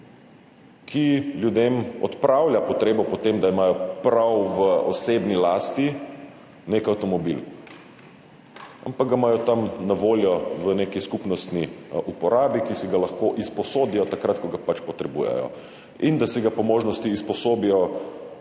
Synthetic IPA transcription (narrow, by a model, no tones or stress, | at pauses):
kʰiljud̪emɔ̰t̪pɾawljapɔt̪ɾeːbɔpɔt̪emd̪aimaːjɔpɾawʋəɔsebnilaːst̪i | nekawt̪ɔmɔbil | a̰mpaɡ̚ɡamaːjɔt̪amnaʋoːljɔʋənekiskupnɔst̪niʔupɔɾaːbikisiɡalaxkoʔispɔsoːd̪ijɔt̪akɾat̪kɔɡapat͡ʃpɔt̪ɾɛbṵjɛ̰jɔ̰ | ind̪asiɡapɔmoːʒnɔst̪iːspɔsoːbijɔ